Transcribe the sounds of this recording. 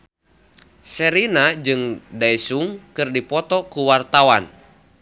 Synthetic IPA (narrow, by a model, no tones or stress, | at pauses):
sɛɾinad͡ʒɨŋdaisuŋkɨrdipɔt̪ɔkuwart̪awan